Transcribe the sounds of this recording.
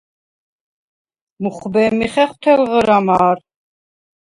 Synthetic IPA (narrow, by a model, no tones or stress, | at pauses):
muχbɛːmiχɛχwt̪ʰɛlʁəɾamaːɾ